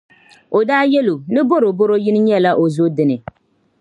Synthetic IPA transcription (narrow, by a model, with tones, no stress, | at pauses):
o˨daː˦jɛ˦lo˨nɨ˦bo˦ɾo˨bo˦ɾo˦jɪ˦nɨ˦ɲ˦ɛ˦la˦ʔo˨zo˦dɪ˦nɨ˨